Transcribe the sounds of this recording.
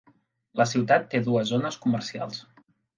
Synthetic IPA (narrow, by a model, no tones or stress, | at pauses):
ləsiwt̪at̪ːeðuəzonəskumərsia̰lˠs